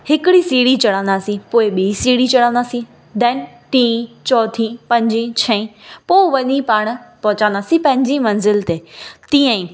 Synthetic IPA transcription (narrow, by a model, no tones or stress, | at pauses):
hɪkɪɽisiːɽit͡ɕɐɽãːnd̪aːsĩpoːɪɓiːsiːɽit͡ɕɐɽãːnd̪aːsĩ | d̪ɛːn | ʈĩːt͡ɕɔːt̪ʰĩpɐ̃ɲd͡ʑĩt͡ɕʰɐ̃ĩpoːʋɐɲĩpaːɽ̃̆pɐɦʊt͡ɕãːnd̪aːsĩpɐ̃ɦɪ̃ɲd͡ʑimɐ̃nzɪlt̪eːt̪ĩːə̃ĩ